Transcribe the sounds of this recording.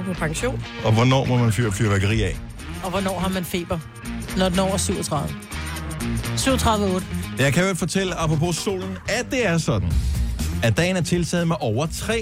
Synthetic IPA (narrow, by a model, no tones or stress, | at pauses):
pʰɒpʰɑ̈ŋɕo̝̰ːnɒ̽ʋɒnɒ̰ːmɒmænfy̰ːɐfʰlyɐʋæɡ̥əʁḭːɛ | ɒ̽ʋɒnɒ̰ːɦɑ̈mænfe̝̰ːb̥ɐ | nɒd̥n̩ɒ̰ʊ̰ɐsyʊ̰ɒt͡sʰʁɑ̈ðˠʋə | syʊɒt͡sʰʁɑ̈ðˠʋəɔ̽ːd̥əjɑ̈ɪkʰæelfɒ̽t͡sʰel̰əɑ̈pʰʁopʰo̝so̝̰ːln̩æd̥e̝æɐsɒ̽d̥n̩æd̥ɛ̰ːnæɐt͡sʰe̝lt͡sʰɛːð̩ˠmɑɪʔɒʊɐt͡sʰʁɛ̰ː